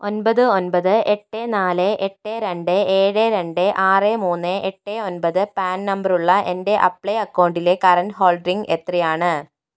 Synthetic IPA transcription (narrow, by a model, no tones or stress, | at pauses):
o̞nbɐðɨonbɐðɨʔeʈːeːnaːleʔeʈːeːɾeɳɖɨeːɻeɾe̞ɳɖeʔaːreːmuːnːeʔeʈːeːonbɐðɨpaːnnɐmbɐruɭːɐʔende̞ʔɐpːɭejɐkːɐwɳɖilekɐrɐnɖɦo̞ːɭɖriŋɡet̪rijaːɳɨ